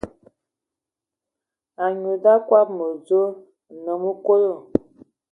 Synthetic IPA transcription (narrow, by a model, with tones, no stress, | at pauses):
a˨ɲo˨da˦kwa˦p̚mə˨zo˦ | nə˨˦mə˦ko˦lo˦˨